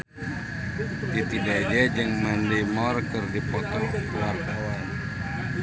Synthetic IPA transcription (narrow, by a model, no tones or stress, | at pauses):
t̪it̪idɛd͡ʒɛd͡ʒəŋmanlimɔrkərdipɔt̪uwarawan